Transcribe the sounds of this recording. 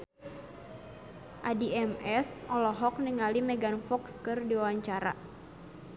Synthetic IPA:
ʔadiɛmɛsʔɔlɔɦɔk̚niŋalimɛɡanfɔkskɨrdiwawaɲt͡ʃaɾa̰

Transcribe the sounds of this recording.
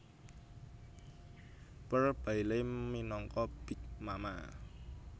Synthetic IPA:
pərb̥a̤ileminɔŋkɔb̥i̤k̚mama̰

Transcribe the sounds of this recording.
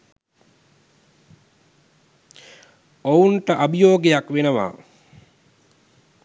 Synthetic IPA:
ounʈəʔabijoːɡejakʋenəʋa̰ː

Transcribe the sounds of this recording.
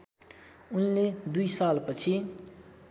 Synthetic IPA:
ʊnːed̪uisaːlpət͡ʃʰi

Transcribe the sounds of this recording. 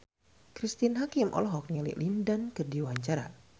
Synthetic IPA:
kɾist̪inɦakimʔɔ̰lɔɦɔk̚nilḭlindankɨrdiwaɲt͡ʃaɾa̰

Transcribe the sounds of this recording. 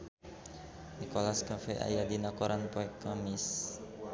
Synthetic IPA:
nikolaskafɛʔa̰jadinakoɾanpoɛkːamɪs

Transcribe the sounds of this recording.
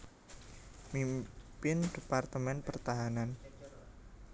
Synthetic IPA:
mimpɪndepart̪əmɛnpərt̪aɦanan

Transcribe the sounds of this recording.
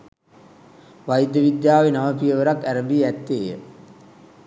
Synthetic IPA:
ʋajid̪jəʋid̪jaːʋenaʋəpijəʋəɾakːæɾəmbiːæt̪ːeːjə̰

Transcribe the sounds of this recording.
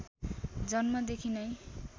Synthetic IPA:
d͡zʌnmʌd̪ekʰinʌj

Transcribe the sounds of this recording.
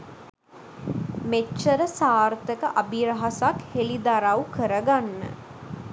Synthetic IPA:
met͡ʃːt͡ʃːəɾəsaːrt̪əkəʔabiɾəɦasakhelid̪aɾawkəɾəɡanːə̰

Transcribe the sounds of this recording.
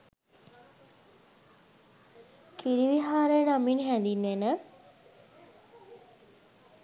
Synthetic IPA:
kiɾiʋiɦaːɾəjənaminɦænd̪inːʋenə

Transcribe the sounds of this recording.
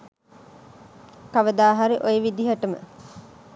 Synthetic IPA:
kaʋəd̪aːɦaɾiʔojeʋid̪iɦɐʈəmə̰

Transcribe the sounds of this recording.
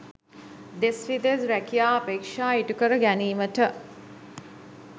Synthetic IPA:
d̪esʋid̪ezɾækijaːapeːkʂaːiʈukəɾəɡæniːməʈə

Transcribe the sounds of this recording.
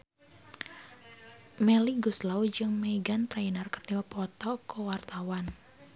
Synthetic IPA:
mɛliɡuslaud͡ʒɨŋmɛiɡant̪ɾainərkərniwapɔt̪ɔkəwart̪awan

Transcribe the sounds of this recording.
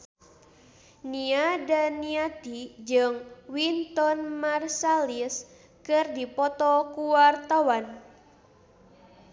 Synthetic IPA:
niadaniat̪id͡ʒɨŋwint̪ɔnmarsalis | kɨrdipɔt̪ɔkuwart̪awan

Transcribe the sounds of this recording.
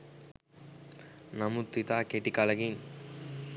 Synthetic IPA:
nɐmut̪ːit̪aːkeʈikalɐɡin

